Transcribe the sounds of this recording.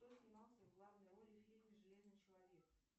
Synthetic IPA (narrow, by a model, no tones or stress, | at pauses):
t̪ozʲnʲɪmɑlˠsʲəvɡlˠavnəjəɾolʲɪxʲilʲnɨjʐɨlʲe̞znɨjt͡ɕɪlˠɐvʲe̞k